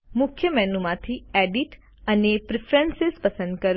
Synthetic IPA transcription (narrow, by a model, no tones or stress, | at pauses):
mʊkʰjəmɛnumãt̪ʰieɖiʈ | ənepɾɪfɾɛnsɪspəsənd̪̚kəɾ